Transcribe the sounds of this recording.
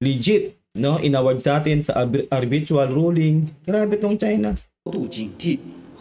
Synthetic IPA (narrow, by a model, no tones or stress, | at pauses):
lid͡ʒɪt̪̚ | noʔɪnawɐd̪̚saːt̪ɪnsɐ̰ʔʔɐɾbit͡ʃualɾuːlɪŋɡɾaːbɛt̪oŋt͡ʃajna